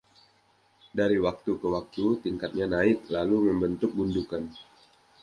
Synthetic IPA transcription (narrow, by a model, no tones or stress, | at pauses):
daɾiwak̚t̪ukəwak̚t̪ut̪iŋkat̪̚ɲanaɪt̪̚laluməmbənt̪ʊk̚bundukan